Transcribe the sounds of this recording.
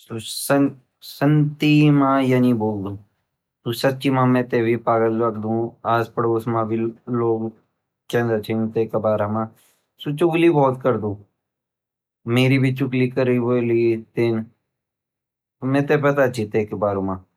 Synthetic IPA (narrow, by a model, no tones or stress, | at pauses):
sosɐn | sɐnt̪imãːjaniboːld̪ũː | t̪usɐtːt͡ʃimãːmɛ̃t̪ebʱipaːɡəlɐkd̪ũaːspəɽʊsmãːbʱiloːɡ | kɛ̃nzɐt͡ʃʰẽũt̪eːkɐbaːɾɐmãː | sut͡ʃʊklibɔːt̪kɐɾd̪ũː | meːɾibʱit͡ʃʊklikəɾiiboːlit̪ɪn | mɛ̃ːt̪epɐt̪at͡ʃit̪eːkbaːɾmãː